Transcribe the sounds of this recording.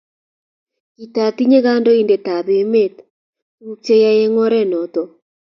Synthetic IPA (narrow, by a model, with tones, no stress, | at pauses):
i˨ta˨ti˦ɲe˦ɣa˦ndɔ˦i˦nde˨ta˨βe˨me˦˨t | u˦t͡ʃe˦ja˦je˦ŋɔ˦ɾɛ˦˨nɔ˨tɔ˨